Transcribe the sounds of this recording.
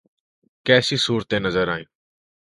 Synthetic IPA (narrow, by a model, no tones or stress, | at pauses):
kɛːsiːsuːɾt̪ẽːnəzəɾaːĩː